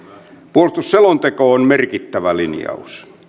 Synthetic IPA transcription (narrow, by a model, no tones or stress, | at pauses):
puolest̪usːelont̪ekoonmerkit̪ːæʋælinjɑ̰ṵs